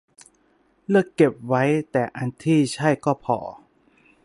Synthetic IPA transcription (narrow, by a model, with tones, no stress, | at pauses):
lɯ˥˩əkːe˨˩p̚wa˦˥jt̪ɛː˨˩ʔa˧nt̪ʰiː˥˩t͡ɕʰa˥˩jkɔː˥˩pʰɔ̰ː˩˦